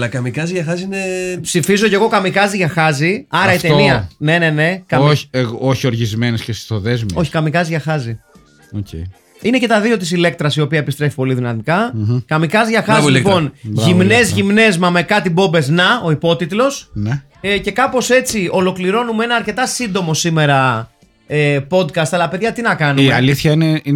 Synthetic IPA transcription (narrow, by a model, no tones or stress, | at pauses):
ɐlɐkɐmikɐziʝɐxɐziinepsifizo̞ce̞ɣo̞kɐmikɐziʝɐxɐziɐɾɐit̪eniɐne̞ne̞ne̞kɐoç̥oçio̞ɾʝizme̞nescesst̪oðezmio̞çi̥kɐmikɐziʝɐxɐzi | ocḛj | ine̞ce̞t̪ɐðio̞t̪isile̞k̚t̪ɾɐsio̞piɐepist̪ɾefi̥po̞liðinɐmikɐkɐmikɐzʝɐxɐɐzilipo̞nʝimnezʝimne̞zmɐme̞kɐt̪ibo̞mbe̞znɐo̞ipo̞t̪it̪lo̞sne | ece̞kɐpo̞se̞t͡siʔo̞lo̞kliɾo̞numee̞nɐɐɾce̞t̪ɐsind̪o̞mo̞sime̞ɾɐ | epo̞d̪kɐst̪ɐlɐpe̞ðʝɐt̪inɐkɐnumeɐliθçɐinei